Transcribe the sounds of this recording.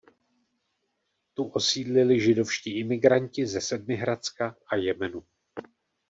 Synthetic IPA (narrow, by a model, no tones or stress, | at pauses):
t̪uʔosiːdlɪlɪʒɪdo̞fʃciːʔɪmɪɡɾaɲcɪzɛsɛd̚mɪɦɾat͡skaʔajɛmɛnu